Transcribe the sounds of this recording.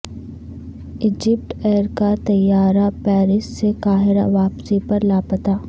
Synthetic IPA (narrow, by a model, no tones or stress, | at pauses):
ɪd͡ʒɪp̚ʈɛːɾkat̪ɐjːaːɾapɛːɾɪssekaːɦɪɾa̰ʋaːpsipɐɾlaːpət̪aː